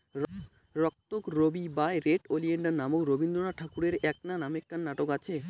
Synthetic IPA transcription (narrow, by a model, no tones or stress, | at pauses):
ɾɔk̚t̪okɾobibaeɾeʈolieɳɖanamokɾobind̪ɾonaʈʰakuɾeɾɛk̚nanamekːanːaʈokat͡ɕʰe